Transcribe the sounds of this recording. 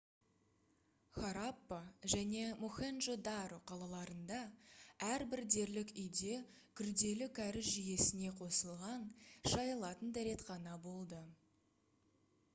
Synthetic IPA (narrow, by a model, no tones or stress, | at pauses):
χaɾapːəʒæne̞moχenʒod̪ɑɾoqʰɑlˠɑlˠɑɾənd̪ɑæɾbɪɾd̪e̞ɾlɪkʏjd̪e̞ | kʲʰʏɾd̪e̞lɪkʲʰæɾɪzʒije̞sɪne̞qʰo̞səlˠʁɑnʃɑjəlˠɑt̪ənd̪æɾe̞t̪qɑnɑbo̞lˠd̪ə